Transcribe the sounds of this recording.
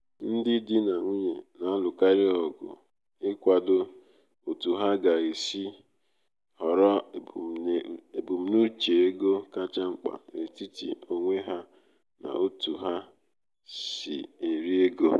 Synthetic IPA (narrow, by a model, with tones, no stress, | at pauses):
n̩˦dɪ˦dɪ˦na˨ŋʷi˦ɲe˨na˨˦lʊ˨ka˦ɾɪ˦ɔ˨ɡʊ̰˨ | ɪ˦kʷa˨dʊ˦ | o˨tu˨ɦa˦ɡa˨e˨si˦ | hɔ˨ɾɔ˦˨e˨bu˨m̩˦nu˦t͡ʃe˨e˦ɡo˦ka˦t͡ʃa˦ŋ͡m̩˦k͡pa̰˨ɾe˨ti˦tḭ˨o˨ŋʷe˦ɦa˦ | na̰˨o˦tu˨ɦa˦ | sḭ˨e˨ɾi˦e˦ɡo˦